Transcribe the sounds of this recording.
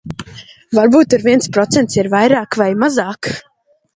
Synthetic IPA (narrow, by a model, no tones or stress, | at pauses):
vaɾbuːt̪aɾviɛnspɾɔt̪sɛnt̪siɾvajɾaːkvajmazaːk